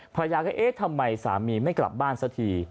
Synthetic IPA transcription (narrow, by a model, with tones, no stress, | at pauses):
pʰa˧jaː˧kʰa˥˩ʔeː˦˥t̪ʰa˧mːa˧jsa̰ː˩˦miː˧ma˥˩jkla̰˨˩p̚baː˥˩nsa˦˥t̪ʰiː˧